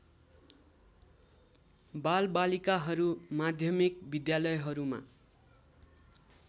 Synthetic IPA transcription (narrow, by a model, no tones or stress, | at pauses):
balbalikaɦʌɾumad̪ʱjʌmikbid̪jalʌjɦʌɾuma̰